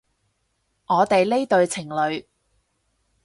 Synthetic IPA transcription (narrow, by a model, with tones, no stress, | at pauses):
ŋɔː˨˧t̪e˨jle˥t̪ɵ˧ɥt͡sʰɪ˨˩ŋlɵ˨˧ɥ